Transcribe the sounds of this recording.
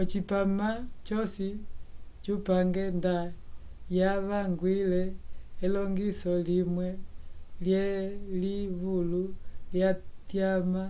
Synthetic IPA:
ɔt͡ʃipamat͡ʃɔsi | t͡ʃupaŋɡɛnda | jaβaŋɡwilɛːlɔŋɡisɔlimwɛljɛliβululjatjama

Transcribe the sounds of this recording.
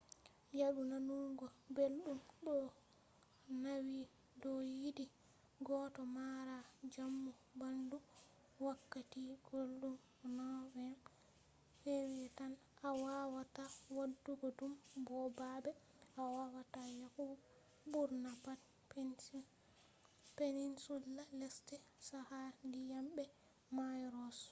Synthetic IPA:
jaɗunanuŋɡɔbelɗumɗɔ | nawi | dɔjidi | ɡɔtɔmaɾad͡ʒamːu | bandu | wakːatiɡ̥olɗum | nɔwɛn | fewɛtan | awawatawadːuɡɔdumbɔbabɛ | awawatajahu | buɾnapa | p | peninsulːalɛstɛsahandijamɓɛ | majɾɔs

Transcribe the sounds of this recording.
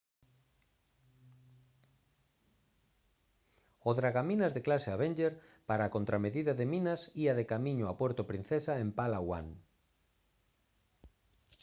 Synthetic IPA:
oðɾaɣaminazðeklaseaβend͡ʒeɾpaɾaːkont̪ɾameðiðaðemĩnasiaðekamĩɲoapwɛɾt̪opɾin̟θesaempalawa̰ŋ

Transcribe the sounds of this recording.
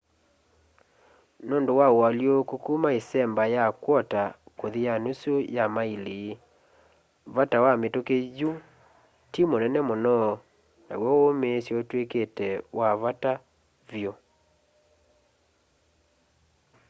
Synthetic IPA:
nondowaoaljokukumaesɛmbajakwɔtakoðijanosojamaileː | vatawametokeju | timonɛnɛmonɔ | na̰wɔomesjotweketɛwaβata | vjo

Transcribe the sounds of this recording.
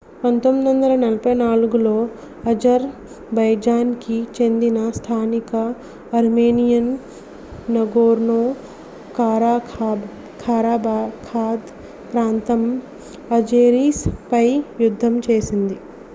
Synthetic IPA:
pɐnt̪omːid̪ʋɐnd̪ɐlɐnɐlɐpɐjnaːluɡulo̞ː | ɐd͡ʒɐɾ | bɐjd͡ʒaːnkit͡ʃe̞nd̪inɐst̪ʰaːnikɐː | ɾmeːnijɐnː | ɐɡoːɾnoː | kaːɾaːkʰa | kʰaːɾaːbaːkʰaːd̪ | pɾaːnt̪ɐm | ɐd͡ʒeːɾiːspɐjjud̪ʱːɐmt͡ʃe̞ːsind̪i

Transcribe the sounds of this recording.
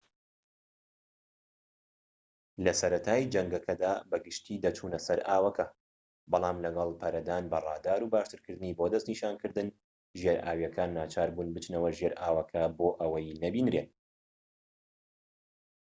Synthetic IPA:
lɐsɐɾɐt̪ʰaːjd͡ʒɐŋɡɐkʰɐd̪aːbɐɡɨʃt̪ʰiːd̪ɐt͡ʃʰuːnɐsɐɾʔaːwɐkʰɐ | bɑlˠɑːmlɐɡɐlˠpʰɐɾɐd̪aːnbɐrˤɑːd̪aːɾuːbaːʃt̪ɨɾkɨɾd̪ɨniːboːd̪ɐst̪niːʃaːnkɨɾd̪ɨn | ʒjeɾʔaːwjɛkʰaːnːaːt͡ʃʰaːɾbuːnbɨt͡ʃnɐwɐʒeɾʔaːwɐkʰɐboːʔɐwɐjnɐbiːnɾeːt̪

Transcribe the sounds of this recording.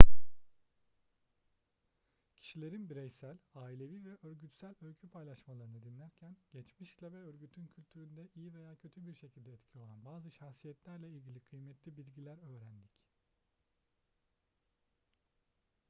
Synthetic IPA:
cʰi̥ʃilʲeɾinbiɾɛjsælʲaːilʲe̞viːvɛʔø̞ɾɟyt̪sælʲølcʰypʰajlˠaʃmalˠaɾɯnɯd̪inlʲæɾcʰænɟ̥ɛt͡ʃmiʃklʲabɛøɾɟyt̪ʰyncʰylʲt̪ʰyɾynd̪ɛʔijive̞jaːcʰø̞t̪ʰybiɾʃecʰilʲd̪ɛːt̪cʰijo̞lˠanbaːzɯʃaxsijɛt̪lʲæɾlʲɛilʲɟʲilʲikʰɯjmɛt̪ʰlʲibilʲɟilʲæɾøːɾænd̪ic

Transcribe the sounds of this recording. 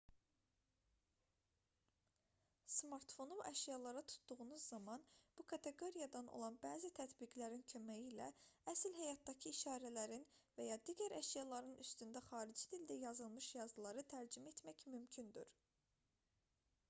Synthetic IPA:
smɑɾt̪fo̞nuæʃjɑlˠɑɾɑt̪ʰu̥t̪d̪uɣunuzːɑmɑnb̥ukʰɑt̪ʰe̞ɡo̞ɾijɑd̪ɑno̰lˠɑnbæːzit̪ʰæt̪biɡlæɾincʰø̞mæjiːlæ̰æsilɦæjɑt̪̚d̪ɑcʰiːʃɑːɾælæɾinvæjɑd̪iːɟæɾæʃjɑlˠɑɾɯnyst̪ynd̪æχɑːɾid͡ʒid̪ild̪æjɑzɯlˠmɯʃjɑzɯlˠɑɾɯt̪ʰæɾd͡ʒyme̞t̪mæcmymcʰynd̪y̰ɾ

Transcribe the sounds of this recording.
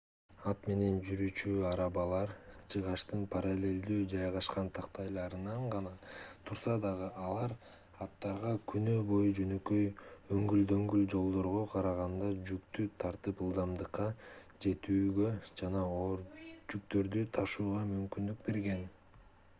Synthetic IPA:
ɑt̪me̞ne̞nd͡ʒyɾyt͡ʃyɑɾɑbɑlˠɑɾt͡ʃʰɯʁɑʃt̪ɯnpʰaɾalʲe̞lʲd̪yːd͡ʒɑjʁɑʃqɑnt̪ʰɑqt̪ɑjlˠɑɾɯnɑɴʁɑnɑt̪ʰuɾsɑd̪ɑʁɯʔɑlˠɑɾ | ɑt̪ːɑɾʁɑkʰynøːbo̞jud͡ʒø̞nø̞kø̞jøŋɡyld̪ø̞ŋɡyld͡ʒo̞lˠd̪o̞ɾʁo̞qʰɑɾɑʁɑnd̪ɑd͡ʒykt̪yt̪ʰɑɾt̪ɯpɯlˠd̪ɑmd̪ɯqːɑ | d͡ʒe̞t̪yːɡø̞d͡ʒɑnɑoɾd͡ʒykt̪ø̞ɾd̪yt̪ʰɑʃuːʁɑmymkynd̪yk̚be̞ɾɡe̞n

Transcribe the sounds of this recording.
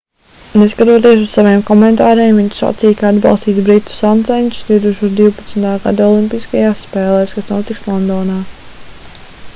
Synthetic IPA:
neskat̪uɔt̪iɛs̬ussaveːmkɔmɛnt̪aːɾejmviɲt͡ʃsa̰t̪siːjkaad̪bɑ̰lˠst̪iːsbɾit̪u̥sant̪ɛnʲt̪u̥sd̪ʲiwt̪uʃuːd̪iwpat̪snt̪aːɡa̰d̪aɔlˠimpiskajaːsːpɛːlˠɛːskasnuɔt̪ikslˠɔnd̪ɔːnaː

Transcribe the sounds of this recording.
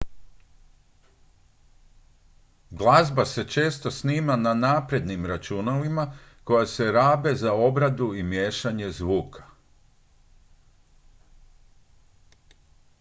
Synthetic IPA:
ɡlˠazbase̞t͡ʃe̞ːst̪o̞sniːmananaːpɾe̞d̪nimɾat͡ʃunalimako̞jase̞ɾaːbe̞zao̞bɾad̪uimjeːʃaɲe̞zʋuːkʰḁ

